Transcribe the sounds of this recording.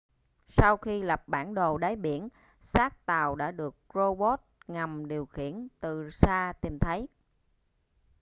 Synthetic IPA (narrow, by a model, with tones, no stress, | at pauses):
sa˧wxi˧lə˨˩p̚ɓa̰ː˧˩nɗo˨˩ɗa˨˦jɓḭ˧˩˨ən | saː˦˥k̚t̪aː˨˩wɗa̰ː˧˥ɗɨ˨˩ək̚ɹo˧ɓo˦˥t̚ŋa˨˩mɗi˨˩əwxḭ˧˨ənt̪ɨ˨˩saː˧t̪i˨˩mt̪ʰə˨˦j